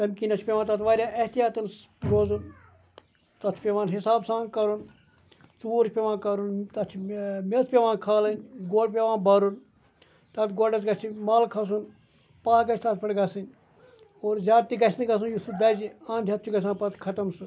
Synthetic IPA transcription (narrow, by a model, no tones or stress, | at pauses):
t̪ɐmkiːnɐt͡ʃʰpʲeːʋaːnt̪ɐt̪ʋaːɾʲjaːʔɐht̪ijaːt̪ɐns | ɾoːzun | t̪ɐt͡ʃʰu̥pʲeʋãːnɦɪsaːbsãːnkɐɾun | t͡suuːɾt͡ʃʰpʲeʋãːnkɐɾunt̪ɐt͡ʃʰimespʲeʋãːnkʰaːlɐnʲɡoːɖpʲeʋãːnbɐɾun | t̪ɐt̪ɡoːɖɐsɡɐt͡ʃʰimaːlkʰɐs̬un | paːɡɐt͡ʃʰt̪ɐt̪pɐɽɡɐsɨnʲ | oːɾzʲaːt̪iɡɐt͡ʃʰnɨɡɐs̬unjusud̪ɐd͡ʒiãːnd̪ʱʲjɐt̪̚t͡ʃʰuɡɐsãːpɐt̪kʰɐt̪ɐmsu